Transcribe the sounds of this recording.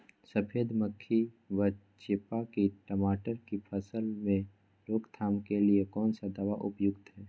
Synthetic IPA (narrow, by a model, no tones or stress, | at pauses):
səpʰeːd̪məkʰːi | ʋə | t͡ʃeːpakiʈəmaːʈəɾkipʰəsəlmẽ | loːkt̪ʰaːmkeliekɔːnsad̪aːʋaʔʊpjʊɡt̪ɦɛː